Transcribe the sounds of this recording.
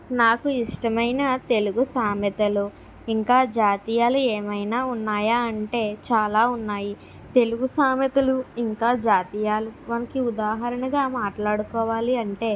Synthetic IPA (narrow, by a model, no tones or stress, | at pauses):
naːkuiʂʈɐmɐjnɐt̪e̞luɡusaːmjɐt̪ɐlu | iŋkaːd͡ʒaːt̪ijaːlueːmɐjnaːunːaːjaːɐɳʈe̞ːt͡ʃaːlaːunːaːji | t̪e̞luɡusaːmjɐt̪ɐluiŋkaːd͡ʒaːt̪ijaːlumɐnɐkiud̪aːɦɐɾɐnɐɡaːmaːʈlaːɽukɔːʋaːliɐɳʈe̞ː